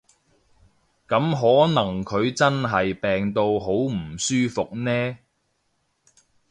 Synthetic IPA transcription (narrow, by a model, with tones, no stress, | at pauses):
kɐ˨˥mɦɔː˨˥nɐ˨˩ŋkʰɵ˨˧ɥt͡sɐ˥nɦɐ˨jpɛː˨ŋt̪o˧wɦo˨˥wm̩˨˩syː˥fʊ˨k̚nɛː˥